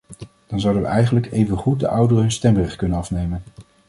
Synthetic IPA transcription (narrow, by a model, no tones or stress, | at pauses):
d̥ɑnzʌwdənʋə̰ʔɛjχənləkejvənχut̚də̰ʔʌwdərənstɛmbɛχkɵnənɑfnejmən